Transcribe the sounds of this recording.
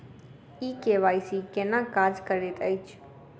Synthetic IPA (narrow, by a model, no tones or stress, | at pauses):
ikeʋajsikɛnãkad͡ʒkəɾet̪əjt͡ʃʰ